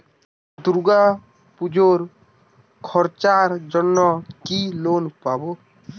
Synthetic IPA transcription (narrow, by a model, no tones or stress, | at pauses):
d̪uɾɡa | pud͡ʒoɾ | kʰɔɾt͡ʃaɾd͡ʒɔnːɔkilonpabo